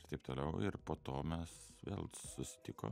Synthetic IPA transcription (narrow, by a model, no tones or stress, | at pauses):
rt̪ɐɪp̚t̪oːlʲɛʊɪɾpoːt̪oːmʲɛsʋʲḛːlˠsʊsʲɪ̥t̪ʲɪko̰ː